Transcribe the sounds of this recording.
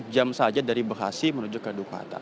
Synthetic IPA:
d͡ʒamsad͡ʒadaɾibəxa̰simənod͡ʒukadukʷa̰t̪a̰

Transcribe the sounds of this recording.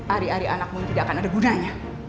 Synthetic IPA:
aɾiaɾianak̚munt̪idaʔakanadaɡunaɲa

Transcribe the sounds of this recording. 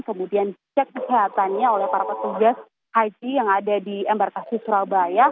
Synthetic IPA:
kəmudiant͡ʃɛk̚kəsiɦat̪anɲaolɛhpaɾapət̪uɡas | had͡ʒijaŋadadiɛmbarkasɪsuɾabaja

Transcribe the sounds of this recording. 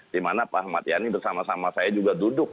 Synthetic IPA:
dimanapahmat̪janibərsamasamasajad͡ʒuɡadudʊk̚

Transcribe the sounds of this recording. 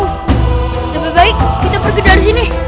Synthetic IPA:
tababaɪk̚ːit̪apərkəndarsini

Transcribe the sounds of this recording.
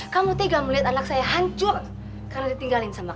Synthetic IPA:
kamut̪eɡaməliɦat̪anak̚sajaɦaɲt͡ʃʊr | karnadit̪iŋɡalɪnsama

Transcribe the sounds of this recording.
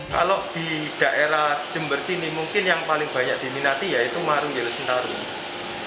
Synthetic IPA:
ka̰loʔd̪̥i̤d̥a̤ʔeɾahd͡ʒ̥ə̤mbərsinimuŋkɪnjaŋpalɪŋb̥a̤ɲak̚d̪̥i̤minat̪ijait̪umaɾujelsənt̪aɾu

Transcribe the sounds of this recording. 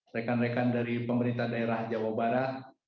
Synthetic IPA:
rɛkanrekandaɾipəməɾint̪ahdaeɾahd͡ʒawabaɾat̪̚

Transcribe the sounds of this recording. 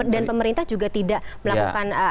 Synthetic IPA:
danpəməɾint̪ahd͡ʒuɡat̪idaʔməlakṵkan

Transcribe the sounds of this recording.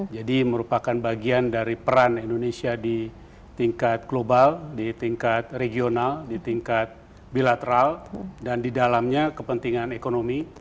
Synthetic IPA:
d͡ʒadiməɾupakanbaɡiandaɾipəɾanindonesiadi | t̪iŋkat̪̚ɡlobaldit̪iŋkat̪̚reɡionaldit̪iŋkat̪̚ | bilat̪əɾaldandidalamɲakəpənt̪iŋanekonomi

